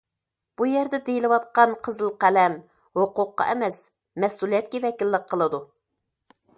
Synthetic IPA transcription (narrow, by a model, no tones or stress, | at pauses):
b̥ujɛɾd̪ɛd̪ejilɨwɑt̪̚qɑnqʰəzɨlˠqɛlɛm | hoqʊqːɑ̰ʔɛmɛs | mɛsulijɛt̪̚kʲɛvɛkʲilːəqqʰːəlˠɨd̪u